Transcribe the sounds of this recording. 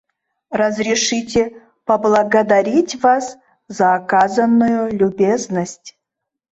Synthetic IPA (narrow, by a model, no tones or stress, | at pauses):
rɐzrʲiʂɨtʲe | pɐblˠɐɡɐd̪aɾʲitʲvas | zaːkazɐnːujʊlʲubʲeznəsʲtʲ